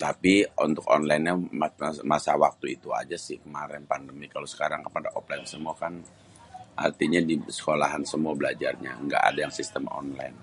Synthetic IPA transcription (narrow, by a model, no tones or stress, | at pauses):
t̪apiunt̪ʊkɔ̰nlainɲammasawak̚t̪uit̪ua̰d͡ʒasɪhkəmaɾɛnpandəmikalosə̥kaɾaŋkəpadaʔɔplansəmuakan | ʔa̰rt̪iɲadisə̥kolaɦansəmuabəlad͡ʒarɲa̰ŋɡa̰ʔa̰dajaŋsist̪əmɔ̰nla̰jn